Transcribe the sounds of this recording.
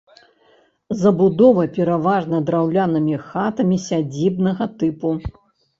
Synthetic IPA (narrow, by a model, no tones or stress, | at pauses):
zɐbud̪ɔvɐpʲɛɾavaʐnɐd̪ɾawlʲanɨmʲixat̪ɐmʲisʲad͡zʲibnɐɣɐt̪ɨpu